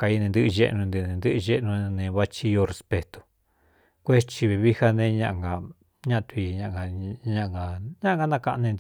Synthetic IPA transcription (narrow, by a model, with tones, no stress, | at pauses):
ka˧i˧nẽ˧nd̪ɨ˦ʔʒe˧ʔnũ˧nd̪i˧nẽ˨˧nd̪ɨ˦ʔɨ˧ʒe˦ʔnũ˧nẽ˧βa˦t͡ʃi˧jo˧re˧spe˧t̪o̥˧ | kʷe˦t͡ʃi˧βe˧βi˦ha˦nẽ˧ɲã˧ʔŋɡa˧ | ɲã˦ʔt̪u˧i˧ɲã˧ʔɡa˧ɲã˧ʔŋɡa˧ɲã˦ʔŋɡa˧˦nã˧ka˧ʔa˧nẽ˧nd̪